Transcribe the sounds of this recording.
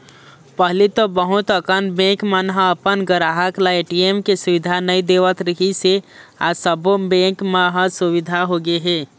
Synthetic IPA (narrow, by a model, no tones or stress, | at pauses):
pəɦlit̪obəɦʊt̪əkənbẽkmanɦəəpənɡəɾaːɦəklaeʈiemkesʊʋɪd̪ʱanəĩd̪eːʋət̪ɾəɦiseasəbobẽːkmaɦəsʊʋɪd̪ʱaɦoɡeɦeː